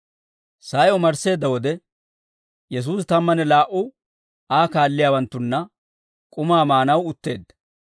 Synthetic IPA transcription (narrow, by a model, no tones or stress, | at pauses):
saːjɔmɐɾse̞ːd̪ːɐwɔd̪ɛ | jɛs̬uːst̪ɐmːɐnɛlaːʔʊ | aːkaːlːɪjaːwɐnt̪ːʊnːɐ | kʼʊmaːmaːnɐwʊt̪ːe̞ːd̪ːɐ̥